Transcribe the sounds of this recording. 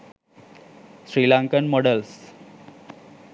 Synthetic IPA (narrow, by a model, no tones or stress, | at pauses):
sɾiːlãŋkənmɔɖəls